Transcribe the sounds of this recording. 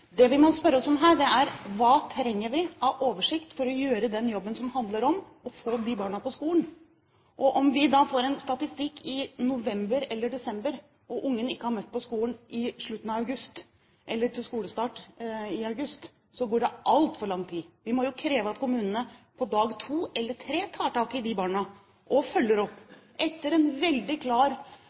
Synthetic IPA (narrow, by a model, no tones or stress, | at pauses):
d̪ɛʋɪmɔspœɾːəɔsɔmɦæːɖɛæɾʋɑːt̪ʰɾɛŋːəɾʋɪɑʋʔoːʋəʂɪkt̪fɔɾɔjøːɾəd̪ɛnjɔbːənsɔmhɑnd̪ləɾɔm | ɔfoːd̪ɪbɑːɳɑpɔskuːlən | ʔɔʔɔmʋɪd̪ɑːfoːɾɛnst̪ɑt̪ɪst̪ɪkːɪnʊʋɛmbəɾɛlːəɖɛsɛmbəɾ | ʔɔʔʊŋːənɪkːəhɑɾmœt̪ːpʰɔskuːlnʔɪʂɭʉt̪ːən̩ɑʋɑʉɡʉst̪ | ʔɛlːəʈʰɪlskuːləst̪ɑːʈɪɑʉɡʉst̪ | sɔɡoːɖɛʔɑlt̪fɔɾɭɑŋt̪ʰiːʋɪmɔjʊkʰɾeːʋəɑt̪kʰʊmʉːnənəpʰɔd̪ɑːɡt̪ʰuːɛlːəʈʰɾeːt̪ʰɑːʈʰɑːkɪd̪ɪbɑːɳə | ʔɔfœlːəɾɔpːʔɛt̪ːəɾɛnʋɛld̪ɪkʰlɑːɾ